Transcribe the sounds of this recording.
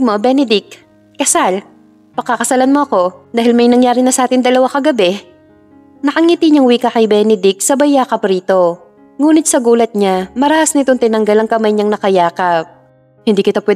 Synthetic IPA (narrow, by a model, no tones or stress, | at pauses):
mobɛnɛd̪ɪk̚ː | ɐsal | pɐŋkːɐkɐsalanmoʔɐko̞d̪aːɦɪlmɐjnɐŋjaːɾɪnɐsɐʔaːt̪ɪnd̪ɐlɐwakɐɡɐbɛ | nɐkɐŋiːt̪iɲɐŋwiːkɐkɐjbɛːnɛd̪ɪk̚sɐbɐjaːkɐpɾiːt̪o̞ | ŋuːnɪt̪̚sɐɡuːlɐt̪̚ɲamɐɾaːʔɐsnɪt̪oŋt̪ɪnɐŋɡɐlɐŋkɐmajɲɐŋnɐkɐjaːkɐp̚ | hɪnd̪iːkɪt̪apwɛ